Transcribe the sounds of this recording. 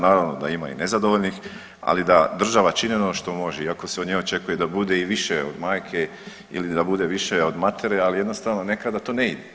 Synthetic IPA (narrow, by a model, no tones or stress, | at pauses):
naːɾaʋno̞d̪a̰ima̰ḭnezad̪o̞ʋoʎnix | a̰lid̪ad̪r̩ʒaʋat͡ʃinenoʃt̪o̞mo̞ʒeiako̞seod̪ɲeot͡ʃe̞kuje̞d̪abud̪e̞iʋiʃeod̪maːjkʰe̞ | ḭlid̪abud̪e̞ʋiʃeo̞d̪mat̪ʰe̞ɾealije̞d̪nost̪aʋno̞ne̞kad̪at̪oːne̞id̪e